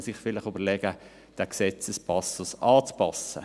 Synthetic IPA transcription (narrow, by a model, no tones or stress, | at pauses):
sɪχfɪlɪχyb̥əlɛɡ̥ə | d̥ɛksɛt͡səspɑsʊsɑːt͡spɑsə̰